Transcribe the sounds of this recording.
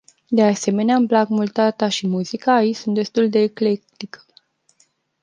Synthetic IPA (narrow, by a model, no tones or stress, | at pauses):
d̪ease̞me̞neaɨmblaɡmult̪at̪aʃimuzikaːit͡ʃsunt̪̚d̪e̞st̪uld̪e̞ːkle̞kt̪ikʰə̥